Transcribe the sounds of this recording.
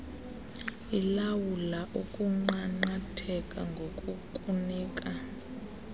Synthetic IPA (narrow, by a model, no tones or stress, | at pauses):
ilawulaʔukʼuŋ͡ǃaŋ͡ǃatʰɛkʼaŋɡʱokʼukʼuniːkʼa